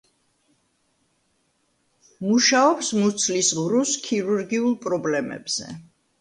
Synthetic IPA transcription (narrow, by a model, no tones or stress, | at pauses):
muʃaɔpsmut̪sʰlisʁvɾuskʰiɾuɾɡiulˠpʼɾɔblɛmɛ̰b̥z̥ɛ̰